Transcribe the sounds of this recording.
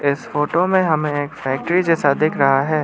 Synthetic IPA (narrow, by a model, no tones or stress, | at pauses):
ɪsfoːʈomẽɦɐmẽeːkfɛːk̚ʈɾid͡ʒɛːsad̪ɪːkʰɾɐɦaɦɛː